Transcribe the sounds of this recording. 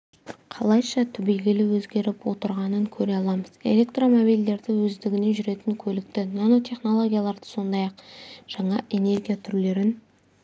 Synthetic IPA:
qʰɑlˠɑjʃɑt̪ʰʏbejɡʲɪlɪwɵzɡʲe̞ɾɪpwot̪əɾʁɑnəŋkʲʰɵɾe̞ɑlˠɑməze̞̰lʲe̞kt̪ro̞mo̞bijld̪e̞ɾd̪ɪwɵzd̪ɪɡʲɪne̞ʒʏɾe̞t̪ɪŋkʲʰɵlɪk̚t̪ɪnano̞t̪ʰʲe̞χno̞lˠo̞ɡʲijalˠɑɾd̪ə̥so̞nd̪ɑjɑqʒ̥ɑɴɑʔe̞ne̞rɡʲijat̪ʰʏɾle̞ɾɪn

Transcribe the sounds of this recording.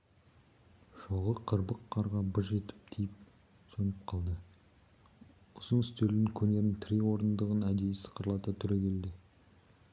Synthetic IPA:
ʃoʁəqʰəɾbəqʰːɑɾʁɑbʊʒe̞t̪ɪ̥p̚t̪ʰijɪp̚ | sonəp̚qʰɑlˠd̪ə | ʊzənʏst̪eɾɡ̪ʲɪŋkʲʰɵne̞ɾɪnt̪ʰɾiwo̞ɾənd̪əʁənæd̪ejɪsə̥qəɾəlˠɑt̪ɑt̪ʰʏɾekʲʰe̞ld̪ɪ

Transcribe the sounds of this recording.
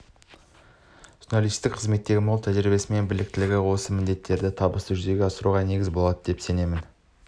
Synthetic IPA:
ʒ̥unalˠijst̪ɪk̚qʰəzme̞t̪ːe̞ɡʲɪməlˠt̪ʰæʒɪɾɪbe̞sɪme̞nbɪlɪk̚t̪ɪlɪɡʲɪwo̞səmɪnd̪e̞t̪ʰːe̞ɾd̪ɪt̪ʰɑbəst̪əʒʏze̞ɡʲeɑsəɾuʁɑne̞ɡʲɪzbo̞lˠɑd̪əd̪e̞pse̞ne̞mɪn

